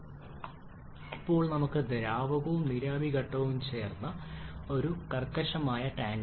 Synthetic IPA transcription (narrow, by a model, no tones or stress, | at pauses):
ipːo̞ːɭnɐmukːɨd̪eɾaːʋɐɣuumniɾaːbʱiɣɐʈːɐʋumt͡ɕe̞ːrnːɐo̞ɾukɐrkːɐʂɐmaːjɐʈaːŋ